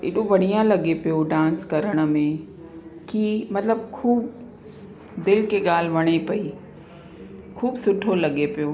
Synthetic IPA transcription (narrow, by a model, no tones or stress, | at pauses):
ɪ̰ɗoʋɐɽ̤̃ijãlɐɠepijoɖãːnskɐɾəɽ̃ə̆mẽ | kiːmɐt̪ləbkʰuːb | d̪ɪlkeɠaːl̤ɪʋɐɽ̃epɐi | kʰuːbsʊʈʰolɐɠepijoː